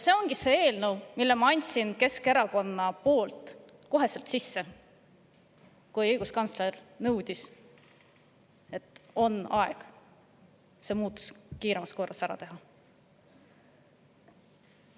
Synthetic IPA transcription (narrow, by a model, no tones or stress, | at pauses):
se̞ːo̞ŋɡise̞ːe̞ːlnɤwmilːemɑɑnʲt̪sinke̞ske̞ɾɑko̞nːɑpo̞ːlt̪ | ko̞ɦe̞se̞lt̪sisːe | kujɤjɡ̥uskɑnt̪sle̞rnɤwd̪̥ʲis | e̞t̪ˑːo̞nɑeɡ̥ | se̞ːmuːt̪ːˑu̥skiːɾemɑsko̞rːɑsæɾɑ̰t̪e̞ɦɑ